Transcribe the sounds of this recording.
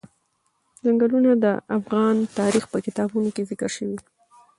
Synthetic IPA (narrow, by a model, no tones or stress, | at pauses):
zaŋɡəlunad̪əʔafɣɑnt̪ɑɾixpəkɪt̪ɑbunokezɪkəɾʃəwi